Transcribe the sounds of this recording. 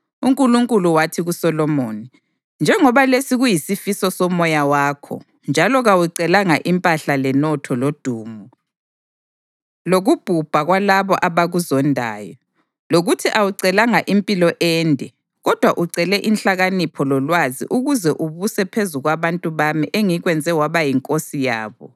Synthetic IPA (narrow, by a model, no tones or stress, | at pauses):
uŋkʼuluŋkʼuluwatʰiɣusɔlɔmoːni | nd͡ʒʱɛŋɔβalesiɣujisifisɔsɔmɔjawaːkʰɔ̰ | nd͡ʒʱalɔɣawuǀɛlaŋaʔimpʼaɬalɛnɔtʰɔlod̥ʱuːmu | loɣub̥ʱub̥ʱaɣwalaβɔʔaβaɣuzɔndʱa̰ːjɔ | loɣutʰiʔawuǀɛlaŋaʔimpʼilɔʔɛːndʱɛ | ɣɔd̥ʱwaʔuǀɛlɛʔinɬaɣanipʰɔlɔlwazḭʔuɣuzɛʔuβusɛpʰezuɣwaβantʼuβamiʔeŋiɣwɛnd͡zʱɛwaβajiŋkʼosijaːβɔ